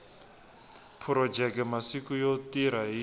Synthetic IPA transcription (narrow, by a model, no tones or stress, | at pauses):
pʰuɾɔd͡ʒɛkmasikujotiɾaɦi